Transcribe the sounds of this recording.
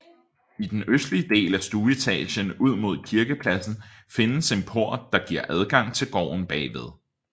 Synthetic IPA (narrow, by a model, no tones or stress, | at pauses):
id̥enøsd̥liəd̥e̝̰ːlæsd̥uːit͡sʰɛ̰ːlɕənuð̞̰ˠmo̝ð̞̰ˠkʰiɐɡ̥əpʰlæsn̩fe̝nəse̝npʰo̝ɐ̰d̥ɑ̈ɡ̥iɐʔæð̞ˠɡ̥ɑ̈ŋ̰t͡sʰe̝lɡ̥ɒ̰ːʊ̰n̩b̥ɛ̰ːʋeð̞ˠ